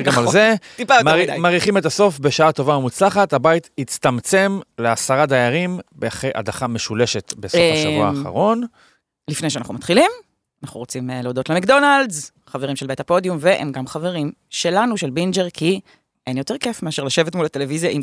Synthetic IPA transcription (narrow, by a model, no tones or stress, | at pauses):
ɡamalzet̪ipamaʁimaːʁiχimet̪aso̞fbeʃaato̞vamut͡slaχatabait̪hit͡st̪amt͡se̞mleasaʁad̪ajaʁimbeaχejʔa̰daχame̞ʃuleʃet̪be̞sofaʃavuaːχa̰ʁo̞n | lifnejʃeanaχnumat̪χilim | anaχuʁot͡simleod̪o̞tlemekd̪o̞naldz | χaveʁimʃelbet̪apo̞djumveʔḛmɡamχave̞ʁim | ʃe̞lanuʃelbind͡ʒeʁkʰi | ʔenjo̞t̪eʁke̞fmeaʃeʁlaʃevetmulat̪e̞levizjaʔim